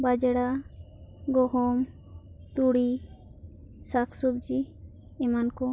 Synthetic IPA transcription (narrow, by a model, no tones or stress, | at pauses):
bad͡ʒɽa | ɡɔɦɔm | t̪uɽi | sakʰsubd͡ʒi | ɛmankɔ